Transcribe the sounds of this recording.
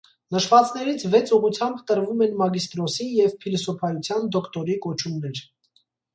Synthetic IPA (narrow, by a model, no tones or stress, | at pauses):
nəʃvɑt͡snɛɾit͡sʰvɛt͡sʰuʁut͡sʰjɑmbt̪əɾvumɛnmɑɡist̪ɾɔsijɛvpʰilɔsɔpʰɑjut͡sʰjɑnd̪ɔkt̪ɔɾikɔt͡ʃʰumnɛɾ